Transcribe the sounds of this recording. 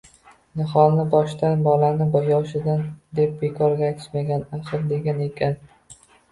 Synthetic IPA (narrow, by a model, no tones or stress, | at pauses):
nɪχɒnɪbɒʃt̪anbɒlanɪbʊjɒwʃɪd̪and̪e̞p̚be̞kʰɒɾɡʲajt̪ʰɪ̥t̪maɡʲanaχɨɾd̪e̞ɡʲane̞kʲʰan